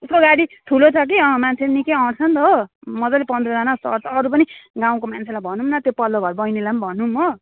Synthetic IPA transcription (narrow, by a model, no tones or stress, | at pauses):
uskoɡaɽit̪ʰulot͡sʰʌk̬iʌ̃mant͡sʰeenikejʌʈt͡sʰʌnt̪ʌɦomʌd͡zʌlepʌnd̪rʌd͡zanasʌ̰ɾt͡sʰʌːɾup̬ʌniɡãw̃komant͡sʰelajbʱʌnumnʌt̪jopʌlːoɡʱʌɾbʌjnelambʱʌnːumːʌ